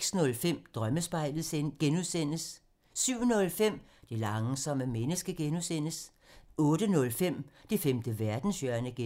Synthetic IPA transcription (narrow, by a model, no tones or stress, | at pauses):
ɡ̥snɔ̽lfem̰d̥ʁɶməsb̥ɑ̈ɪ̰lð̩ˠsenɡ̥enuðˠsen̰əs | syʊ̰nɔ̽lfem̰ | d̥elɑ̈ŋsɒ̽m̰əmenəsɡ̥əɡ̥enusen̰əs | ɔ̽ːdənɔ̽lfem̰d̥efemd̥əʋæɐd̥n̩sjœɐnəɡ̥